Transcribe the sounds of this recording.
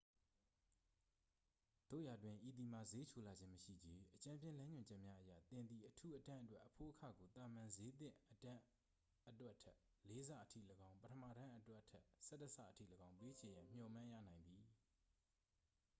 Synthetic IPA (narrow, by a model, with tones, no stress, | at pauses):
d̪̥o̰˦˨ja˨dwɪ̃˨ʔi˨d̪i˨ma˨ze˦t͡ɕʰo˨la˨d͡ʑɪ̃˦məʃḭ˦˨d͡ʑe˦ʔət͡ɕã˦mpjɪ̃˦˨lã˦ɲʊ̃˨ɲd͡ʑɛ˦ʔmja˦ʔəjä̰˦˨t̪ɪ̃˨nd̪ði˨ʔətʰu˦ʔətã˦ʔətwɛ˦ʔəpʰo̰˦˨ʔəkʰä̰˦˨ɡo˨t̪a˨mã˨nze˦t̪ɪ̰̃˦˨ʔətã˦ | ʔətwɛ˦ʔtʰɛ˦ʔ | le˦za̰˦˨ʔətʰḭ˦˨ləɡã˦ʊ̃pətʰəmä̰˦˨ɾã˦ʔətwɛ˦ʔtʰɛ˦ʔsɛ˦təsʰa̰˦˨ʔətʰḭ˦˨lə˨ɡã˦ʊ̃mpe˦t͡ɕʰɪ̃˨jã˨m̥jɔ˨mã˦jä̰˦˨nã˨ɪ̃nd̪i˨